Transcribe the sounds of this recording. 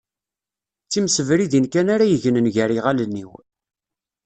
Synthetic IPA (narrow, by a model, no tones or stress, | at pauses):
t͡sːimsəvɾiðinkænaɾæjəʝənənʝæɾiʁalənːiw